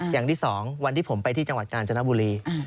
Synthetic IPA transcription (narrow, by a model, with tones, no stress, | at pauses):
jaː˨˩ŋt̪ʰiː˥˩sɔː˩˦ŋwa˧nt̪ʰiː˥˩pʰo˩˦mpa˧jt̪ʰiː˥˩t͡ɕa˧ŋwa˨˩t̪̚kaː˧nt͡ɕʰa˧na˦˥˩buː˧ɾiː˧